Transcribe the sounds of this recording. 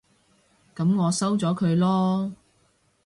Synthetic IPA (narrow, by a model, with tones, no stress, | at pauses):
kɐ˨˧˥mŋɔː˨˧sɐ˥wt͡sɔː˨˥kʰɵ˨˧ɥlɔː˥